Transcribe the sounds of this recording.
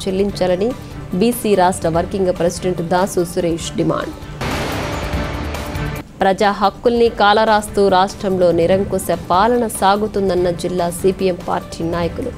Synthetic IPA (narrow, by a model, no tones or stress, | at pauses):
t͡ʃelːiɲt͡ʃɐlɐni | biːsiːɾaːʂʈɾɐʋɐɾkiŋɡpɾesiɖeɳʈd̪aːsusuɾeːʂɖima̰ːɳɖ | pɾɐd͡ʒaːɦɐkːulnikaːlɐɾaːst̪uɾaːʂʈɾɐmlo̞ːniɾɐŋkusepaːlɐɳɐsaːɡut̪und̪ɐnːɐd͡ʒilːaːsiːpiempa̰ːɾʈʰiːnaːjɐkulṵ